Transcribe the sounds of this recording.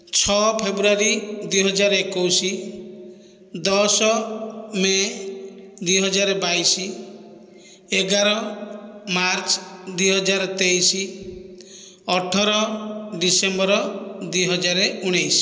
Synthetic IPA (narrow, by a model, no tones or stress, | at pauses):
t͡ʃʰɔpʰebɾuaɾid̪uijɦɔd͡ʒaɾɔekowsi | d̪ɔsɔme | d̪ujɦɔd͡ʒaɾɔbajsi | eɡaɾɔ | maɾt͡ʃd̪uijɦɔd͡ʒaɾɔt̪ejsi | ɔʈʰɔɾɔɖisembɔɾɔd̪ujɦɔd͡ʒaɾeuɽ̃ejsi̥